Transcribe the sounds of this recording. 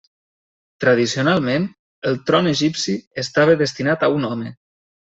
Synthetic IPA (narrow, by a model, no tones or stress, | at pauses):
t̪ɾaðisionalˠmen | əlˠt̪ɾɔneʒipsiəst̪aβəðəst̪inat̪aunɔme